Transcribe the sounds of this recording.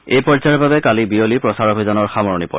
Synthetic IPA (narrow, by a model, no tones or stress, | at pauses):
ejpɔɹzaɹbabɛkalibiolipɹɔsaɹobʱizanɔɹxamɔɹnipɔ̰